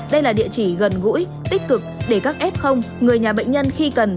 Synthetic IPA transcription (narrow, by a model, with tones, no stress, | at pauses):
ɗə˧jlaː˨˩ɗḭ˧˨ət͡ɕi˧˩ɣə˨˩nɣṵ˧˥j | t̪i˦˥k̟̚kɨ˨˩k̚ɗe˧˩kaː˦˥k̚ʔɛ˦˥p̚xə˧wŋ͡mŋɨ˨˩əjɲaː˨˩ɓə̰˧˨jŋ̟ɲə˧nxi˧kə˨˩n